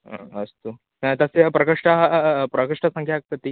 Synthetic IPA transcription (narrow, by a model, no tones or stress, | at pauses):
ɦã̰əst̪u | at̪əsepɾɐkəʂʈapɾəkəʂʈəsə̃ŋkʰjak̚k̪ət̪i